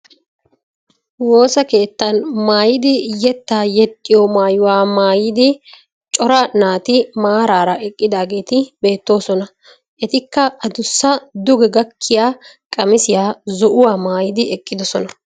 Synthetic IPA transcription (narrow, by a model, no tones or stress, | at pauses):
wo̞ːsɐke̞ːt̪ːɐnmaːjɪd̪ɪjɛt̪ːaːjɛt̪ʼːɪjɔmaːjʊwaːmaːjɪd̪ɪ | t͡ʃʼɔɾɐnaːt̪ɪmaːɾaːɾɐʔɛkʼːɪd̪aːɡe̞ːt̪ɪbe̞ːt̪ːo̞ːsɔnɐ | ʔɛt̪ɪkːɐɐd̪ʊsːɐd̪ʊɡɛɡɐkʰːɪjaː | kʼɐmɪsɪjaːzɔʔʊwaːmaːjɪd̪ɪɛkʼːɪd̪ɔsɔnɐ